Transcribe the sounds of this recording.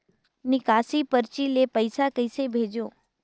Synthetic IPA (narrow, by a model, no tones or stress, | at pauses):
nɪkaːsipəɾt͡ʃilepəɪsakəɪsebʱeːd͡ʒjoː